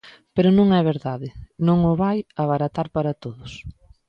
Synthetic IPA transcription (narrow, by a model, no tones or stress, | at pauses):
peɾʊnõŋɛβeɾðaðɪnõŋʊβajaβaɾat̪aɾpaɾɐt̪oðʊs